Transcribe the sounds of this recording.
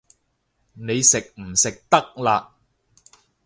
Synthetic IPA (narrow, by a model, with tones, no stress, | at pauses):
ne˨˧jsɪ˨k̚m̩˨˩sɪ˨k̚t̪ɐ˥k̚laː˧